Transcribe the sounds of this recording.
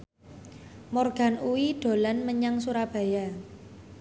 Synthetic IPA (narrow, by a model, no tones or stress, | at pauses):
mɔrɡ̥a̤nuwiɖ̥o̤lanməɲaŋsuɾab̥a̤ja